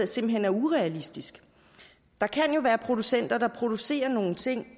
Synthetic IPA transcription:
se̝mb̥l̩ɦen̰æɐuʁɛælisd̥isɡ̥ | d̥ɑ̈kʰænjo̝ʋæːɐpʰʁo̝d̥usen̰d̥ɐd̥ɑ̈pʰʁo̝d̥use̝̰ːɐno̝ːn̩t͡sʰe̝ŋ̰

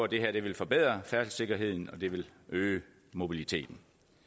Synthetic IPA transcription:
d̥e̝ɦæɐ̰d̥e̝ʋe̝lfɒ̽b̥eð̞̰ˠʁɐfæɐslse̝ɡ̥ɐɦe̝ð̞̰ˠn̩ɒ̽d̥e̝ʋe̝løː | mo̝b̥ilit͡sʰe̝̰ːd̥n̩

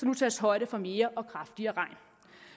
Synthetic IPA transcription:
ɒlut͡sʰɛːsɦɒ̽ɪ̰ɾ̥əfɒ̽me̝ːɐʔɒ̽kʰʁɑ̈fd̥iɐːʁɑ̈ɪn

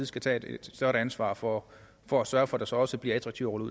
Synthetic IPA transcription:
ð̩ˠsɡ̥æt͡sʰɛ̰ed̥ed̥sd̥ɶɐɾ̥ænsʋɑ̰̈ːfɒ | fɒ̽æsɶɐfɒ̽d̥ɑ̈sɒ̽ɒ̽səb̥liɐæt͡sʰʁɑɡ̥̚t͡sʰiʊ̰ʁɔ̽ləuð̰

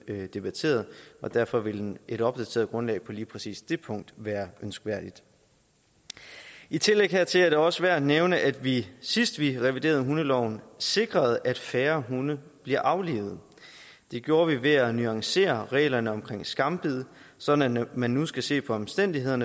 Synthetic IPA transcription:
d̥e̝b̥æt͡sʰe̝̰ːɐð̩ˠɒ̽d̥æɐfɒ̽ʋe̝ld̥enʔe̝ɾɒ̽b̥̚d̥æt͡sʰe̝̰ːɐðˠɡ̥ʁɔ̽nlɛ̰ɪpʰɒ̽liːpʰʁɛsḭːsd̥e̝pʰɔ̽ŋ̰d̥ʋæːɐʔønsɡ̥ʋæɐ̰d̥id̥ | it͡sʰe̝leɡ̥hæɐt͡sʰe̝læɐde̝ɒ̽səʋæɐ̰d̥neʊnəʔæd̥ʋisisd̥ʋiʁɛʋid̥e̝ːɐð̞̩ˠɦunəlɒʊnse̝ɡ̥ʁɐð̞ˠʔæd̥fæːɐɦunəb̥liɐʔɑ̈ʊlḭːʊð̞̩ˠ | d̥e̝ɡ̥jo̝ːɐʋiʋe̝ænyɑ̈ŋse̝̰ːɐʁɛ̰ːlɐnəɒ̽mkʰʁeŋ̰sɡ̥ɑ̈mb̥ið̰ˠsɒ̽d̥n̩æmænːusɡ̥æse̝̰ːpʰɒ̽ɒ̽msd̥en̰d̥iɦe̝ð̞̰ˠɐnə

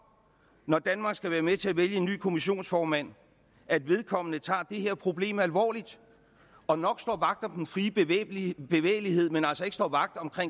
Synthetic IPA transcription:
nɒd̥ænmɑ̈ːɡ̥sɡ̥æʋæːɐmet͡sʰe̝æʋeljəe̝nːy̰ːkʰo̝miɕo̝̰ːnsfɒːmæn̰ | æd̥ʋe̝ð̞ˠkʰɒ̽m̰ənət͡sʰɑ̰̈ːd̥e̝he̝ɐ̰pʰʁo̝b̥le̝̰ːmælʋɒ̰ːlid̥ | ɒ̽nɒ̽ɡ̥sd̥ɒ̰ːʋɑ̈ɡ̥̚d̥ɒmd̥enfʁiː | b̥e̝ʋḛːɪlihe̝ð̞̰ˠmenælsɒe̝ɡ̥sd̥ɒ̰ːʋɑ̈ɡ̥̚d̥ɒ̽mkʰʁeŋ̰

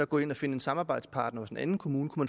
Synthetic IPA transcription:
ɒɡɔ̰̽ːe̝n̰ɒ̽fe̝nəe̝nsɑ̈mɑːbɑ̈ɪ̰d̥spʰɑ̈ːd̥nɐɒ̽sdenʔænn̩kʰomuːnəkʰumæn

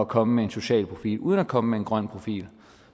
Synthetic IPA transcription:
ækʰɒ̽məmee̝nso̝ɕɛ̰ːlpʰʁo̝fḭːlʔuːð̞ˠənækʰɒ̽məmee̝nɡ̥ʁɶn̰pʰʁo̝fḭːl

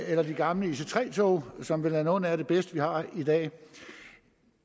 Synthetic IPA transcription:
elɐd̥iɡ̥ɑ̈mləise̝t͡sʰʁɛ̰ːt͡sʰo̰ːsɒ̽mʋe̝lænoːn̩æɾ̥e̝b̥esd̥əʋihɑ̈id̥ɛ̰ː

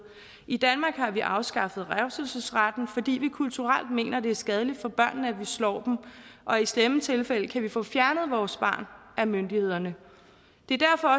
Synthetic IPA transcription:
id̥ænmɑ̈ːɡ̥hɑ̈ʋiʔɑ̈ʊsɡ̥ɑ̈fð̞̩ˠʁæʊsl̩səsʁad̥n̩fɒ̽d̥ḭːʋikʰult͡sʰuʁal̰d̥̚me̝̰ːnʔɐd̥e̝æɐsɡ̥ɛð̞ˠəlid̥fɒ̽b̥ɶɐ̰nn̩æʋislɒ̰ːd̥m̩ʔɒ̽islemət͡sʰe̝lfel̰əkʰæʋifɔ̰̽ːfjæɐnð̞̩ˠʋɒːsb̥ɑ̰̈ːnʔæmønd̥ihe̝ð̞̰ˠɐnə | d̥e̝ɐd̥æɐ̰fɒ̽ɒ̽

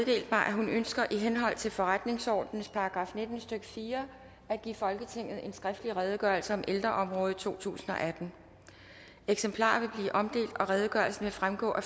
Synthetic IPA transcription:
ðˠde̝̰ːld̥mɑ̈ɪʔæɦunønsɡ̥ɐʔiɦenɦɒ̽l̰t͡sʰe̝lfɒ̽ʁad̥ne̝ŋsɒ̰ːd̥nn̩spʰɑ̈ɑɡ̥ʁɑ̈fne̝d̥n̩sd̥øɡ̥ə̥fiːɐ | æd̥ɡ̥ḭːfɒ̽lɡ̥ət͡sʰe̝ŋ̰ð̞̩ˠe̝nsɡ̥ʁafd̥əliʁɛːð̞ˠɡ̥ɶɐlsəɒ̽mʔeld̥ʁɐʔɒ̽mʁɔːð̩ˠt͡sʰo̝̰ːt͡sʰṵːsn̩ɒ̽ʔæd̥n̩ | eɡ̥sempʰlɑ̰̈ːʋe̝b̥liːʔɒ̽md̥e̝̰ːld̥ɒ̽ʁɛːð̞ˠəɡ̥ɶɐlsn̩ʋe̝fʁamɡ̥ɔ̰ːʔæ

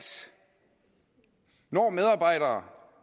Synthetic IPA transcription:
nɒ̰ːmeð̞ˠɑ̈ːb̥ɑ̈ɪ̰ɾɐː

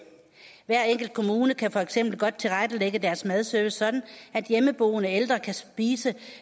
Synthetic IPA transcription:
ʋæɐ̰eŋ̰ɡ̥l̩d̥̚kʰo̝muːnəkʰæfɒ̽eɡ̥sem̰b̥l̩ɡ̥ɒ̽d̥̚t͡sʰe̝lʁad̥əleɡ̥əd̥æɐsmæð̞ˠsøːʋəsɒ̽d̥n̩æd̥jeməb̥o̝ːənəeld̥ʁɐkʰæsb̥iːsə

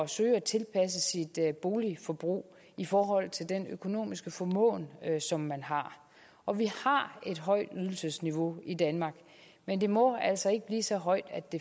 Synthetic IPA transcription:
ɒsø̰ːɪæt͡sʰe̝lpʰæs̬əsid̥b̥o̝ːlifɒ̽b̥ʁṵː | ifɒːɦɒ̽l̰ˠt͡sʰe̝ld̥enøkʰo̝no̝̰ːmisɡ̥əfɒ̽mɔ̰̽ːnsɒ̽mːænɦɑ̈ | ʔɒ̽ʋihɑ̈e̝d̥ɦɒ̽ɪ̰d̥yð̞ˠl̩səsniʋo̝id̥ænmɑ̈ːɡ̥ | mend̥e̝mɒ̽æl̰sɒ̽e̝ɡ̥əb̥liːsɒ̽ɦɒ̽ɪd̥æd̥e̝

